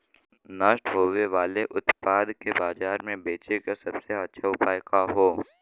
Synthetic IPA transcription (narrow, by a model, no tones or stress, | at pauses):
naːʃʈɦoːʋeʋaːleʔʊt̪paːd̪kebaːzaːɾmẽbeːt͡ʃekasɐbseɐtːʃʰaʊpaːjkaɦoː